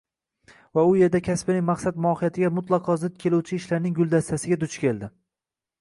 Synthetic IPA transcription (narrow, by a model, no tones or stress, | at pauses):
vaʊje̞ɾd̪akʲʰaspɪnɪŋʲmaqsad̪mʊɒhɪjat̪ʰɪɡʲamʊt̪ʰlˠɑqʰɒzɪd̪̚kʲʰe̞luwt͡ʃʰɪɪʃlaɾnɪŋɡʊlˠd̪ast̪ʰasɪɡʲad̪ʊt͡ʃʰkʲʰe̞ld̪ɪ